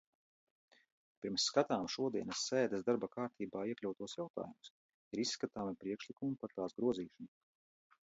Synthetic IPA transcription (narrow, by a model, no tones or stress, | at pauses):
pʲiɾmsːkat̪aːmʃuɔd̪iɛnəsːɛːd̪əsd̪aɾbakaːɾt̪ʰiːbaːiɛklʲawt̪uɔsjawt̪a̰ːjumus | iɾissːkat̪aːmipɾiɛkʃlˠikumupaɾt̪aːsɡɾuɔziːʃanu